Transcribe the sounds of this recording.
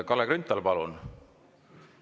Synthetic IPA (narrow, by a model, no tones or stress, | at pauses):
kɑlːekɾynt̪ːˑɑlpɑlun